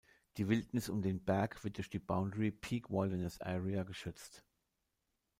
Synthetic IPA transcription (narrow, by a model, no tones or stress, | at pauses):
d̥iːvɪltnɪsʊmdeːnbɛɐkv̥ɪɐt̚d̥ʊːɐçd̥iːbaʊndəʁipʰiːkvɔlvənəsʔɛ̰ʁiaɡəʃʏt͡st